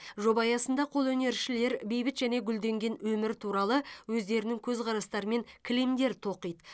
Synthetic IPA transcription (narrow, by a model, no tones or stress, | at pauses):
ʒo̞bɑjɑsənd̪ɑqʰo̞lˠwɵne̞ɾʃɪle̞ɾbe̞jbɪt̪ʒæne̞ɡʲʏld̪e̞ŋɡʲe̞nwɵmɪɾt̪ʰuɾɑlˠəwɵzd̪e̞ɾɪnɪŋkʲʰɵzqʰɑɾɑst̪ɑɾəme̞ŋkʲʰɪlemd̪e̞ɾt̪ʰo̞qijd̪ə